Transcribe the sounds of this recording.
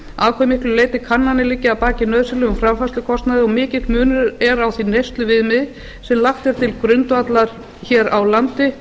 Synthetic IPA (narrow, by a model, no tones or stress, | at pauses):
aːkʰɛjmɪhklʏleːjt̪ɪ̥kʰanːanɪlɪcːɪawpaːcɪnœðsɪlʏʏfɾamfaslʏkʰɔst̪naðɪɔɣmɪːcɪt̪mʏːnʏɾɛɾawθinejst̪lʏvɪðmɪð | sɛmlaxt̪ɛɾ̥t̪ʰɪlkɾʏnt̪at̪laɾ̥ | çɛːɾawlant̪ɪ